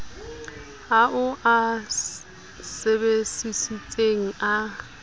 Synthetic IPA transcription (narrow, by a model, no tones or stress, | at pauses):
aʔʊʔa | sebesisit͡sʼeŋ̩a